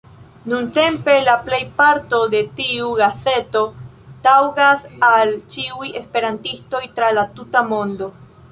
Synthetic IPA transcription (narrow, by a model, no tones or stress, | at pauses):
nunte̞mpe̞laple̞jpaɾto̞de̞tiuɡase̞to̞ | tawɡasalt͡ʃiuje̞spe̞ɾantisto̞jtɾalatutamo̞ndo̞